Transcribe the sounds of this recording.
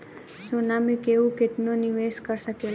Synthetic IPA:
sonamĩkeʋũkeʈ̪noniʋeskəɾsəkel

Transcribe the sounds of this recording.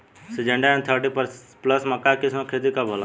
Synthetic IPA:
sid͡ʒə̃ɳɖaɛ̃nt̪ʰəɾʈipəɾpləsmɐkːakɪsmakʰeːt̪̬ikabʱol

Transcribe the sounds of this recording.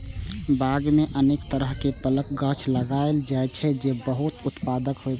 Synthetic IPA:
baɡmeʔənekt̪əɾəɦkepələk̚ɡət͡ʃʰləɡaeld͡ʒaet͡ʃʰɛd͡ʒebəɦut̪ʊt̪pad̪əkɦojt͡ʃʰ

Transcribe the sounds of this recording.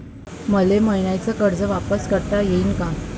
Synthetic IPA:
məleməiɳjajt͡səkəɾd͡zəʋapəskəɾt̪ajeinka

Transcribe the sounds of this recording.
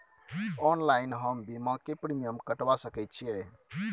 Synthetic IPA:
ɔnlajinɦəmbimãkepɾimijəmkəʈʋasəkɛjt̪̚t͡ʃʰiɛ

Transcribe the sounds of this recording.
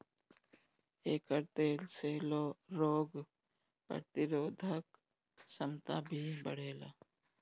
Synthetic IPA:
eːkəɾt̪eːlseːloɾoːɡ | pə̰t̪ɪɾoːd̪ʱək | səmt̪aːbʱibəɽ̤eːlaː

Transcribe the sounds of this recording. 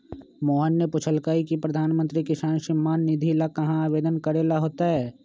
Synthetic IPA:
moːɦənːepʊt͡ʃʰəlkaːikipɾɐd̪ʱaːnmə̃nt̪ɾikɪsaːnʃɪmːaːnːɪd̪ʱilakɐɦãaːʋeːd̪ənkəɾeːlaɦoːt̪aɦɛː

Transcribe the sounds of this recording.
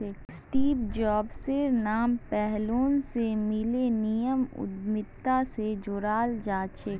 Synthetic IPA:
eksʈiːpd͡ʒɔːbseɾnaːmpɛɦloːnsemɪlenijəmʊ̰d̪mɪt̪ːased͡ʒʊɾaːld͡ʒaːt͡ʃek

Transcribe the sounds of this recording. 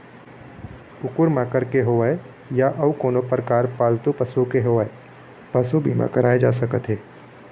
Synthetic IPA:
ʊkʊɾmãkəɾkeɦoːae | jaʔɐʋkoːnopəɾkaːɾpaːlt̪upəsukeɦoːʋae | pəsubʱḭːmã̰kəɾaːed͡ʒaːsəkət̪ɦeː

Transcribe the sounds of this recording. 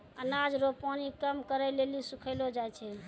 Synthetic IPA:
ənad͡ʒɾopɔnikəmkəɾəjlelisukʰəlod͡ʒajt͡ʃʰɛ

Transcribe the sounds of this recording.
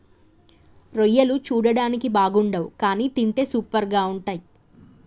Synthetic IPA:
ɾojːɐlut͡ʃuːɽɐɽaːnikibaːɡuɳɖɐwukaːniːt̪iɳʈe̞ːsuːpɐɾɡaːuɳʈaːji

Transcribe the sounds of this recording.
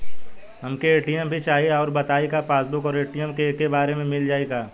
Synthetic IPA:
ɦɐmkeeːʈijəmbʱit͡ʃaːɦieɔːɾbɐt̪aːeɡapaːsbʊkɔːɾeːʈijəmkekebaːɾemẽmɪld͡ʒaːeɡaː

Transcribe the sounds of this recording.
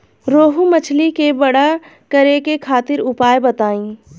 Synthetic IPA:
ɾoːɦumət͡ʃʰlikebəɽa | kəɾekekʰaːt̪ɪɾʊpaːjbət̪aːĩː

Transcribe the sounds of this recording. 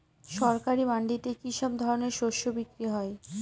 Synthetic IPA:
ʃɔɾkaɾibaɳɖitekiʃɔbd̪ʱɔɾoneɾʃoʃobikɾiɦɔe

